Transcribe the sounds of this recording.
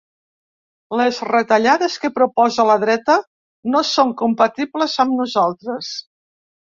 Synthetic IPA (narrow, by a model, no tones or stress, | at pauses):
ləzrət̪əʎaðəskəpɾupɔzələðɾɛt̪ə | nosoŋkumpət̪ibləzəmnuzalˠt̪ɾəs